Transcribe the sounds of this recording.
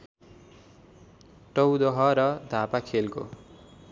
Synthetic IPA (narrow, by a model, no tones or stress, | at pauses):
ʈʌwd̪ʌɦʌɾʌd̪ʱapakʰelko̰